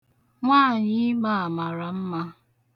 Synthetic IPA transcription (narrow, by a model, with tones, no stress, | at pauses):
ŋʷaː˦˨ɲɪ˦ma˦˨a˨ma˨ɾa˨m̩˦ma˦